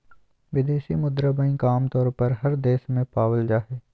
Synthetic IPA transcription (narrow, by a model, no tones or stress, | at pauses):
ʋɪd̪eːʃimʊd̪ɾəbəĩkaːmt̪ɔːɾpɐɾɦɐɾd̪eːʃmẽpaːʋəld͡ʒaːɦeː